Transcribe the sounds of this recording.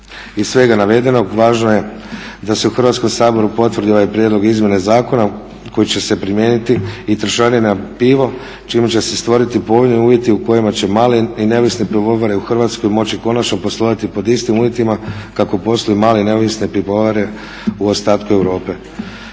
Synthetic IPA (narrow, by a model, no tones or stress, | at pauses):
issʋe̞ɡanaʋe̞d̪e̞no̞ɡʋaːʒnoje̞ | d̪aseuxr̩ʋat̪sko̞msaːbo̞ɾupo̞t̪ʋrd̪ioʋajpɾʲje̞d̪lo̞ɡizmje̞nezaːko̞na | ko̞jit͡ɕe̞se̞pɾimje̞ːnit̪iːt̪ɾ̩ʃaːninapiʋo̞ | t͡ʃimut͡ɕe̞sest̪ʋo̞ɾit̪ipo̞ʋojnojuːʋjet̪iuko̞jimat͡ɕe̞maːleine̞oʋisnepɾiɡoʋaɾeuxrʋaːt̪sko̞jmo̞t͡ɕiko̞nat͡ʃno̞po̞slˠoʋat̪ipo̞d̪ist̪imuːʋje̞t̪imakako̞po̞slojimaːleine̞o̞ʋisnepɾiboʋaɾe̞ | uost̪aːt̪kue̞ʋɾo̞ːpe̞